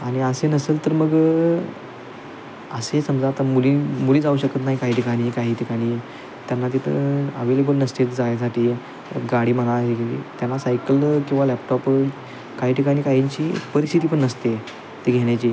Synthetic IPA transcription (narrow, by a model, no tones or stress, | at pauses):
aɽ̃iəsenəselt̪əɾməɡ | əsesəmd͡zat̪amuliːmuliːd͡zauːɕəkət̪naɦikaɦiːʈʰikaɽ̃iːkaɦiːʈ̪ʰikaɽ̃iː | t̪janːat̪̬it̪ʰə̰əʋelebəlnəst̪et͡sd͡zajas̬aʈʰiː | ɡaɽiːm̤əɽaɭɦekelḭt̪janːasajkəlkĩw̃ʋalɛpʈɔp | kaɦiːʈʰikaɽ̃iːkaɦiɲt͡ɕiːpəɾist̪ʰit̪ipəɳːəst̪e | t̪eɡʱeɽ̃jat͡ɕiː